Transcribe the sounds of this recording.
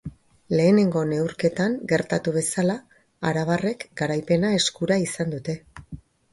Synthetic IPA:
le̞ːne̞ŋɡo̞ne̞uɾke̞t̪aŋɡe̞ɾt̪at̪uβe̞sala | a̰ɾaβ̞are̞kɡaɾajpe̞nae̞skuɾaisand̪ut̪e̞

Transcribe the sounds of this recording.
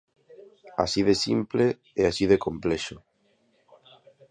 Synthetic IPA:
a̰siðesimple | easiðekompleʃo

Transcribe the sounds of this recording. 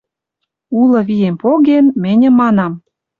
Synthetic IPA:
ulɤ̆βijempoɣenmɘ̆nʲə̆mːɑnɑm

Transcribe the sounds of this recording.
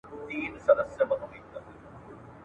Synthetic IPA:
iːnsɐd̪ɐsjɐmɐnumit̪ːɐ

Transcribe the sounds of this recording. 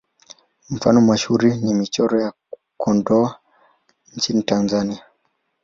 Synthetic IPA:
m̩fa̰nɔmaʃhuɾinimit͡ʃɔɾɔja | kʰɔndɔa | nt͡ʃinitanzania

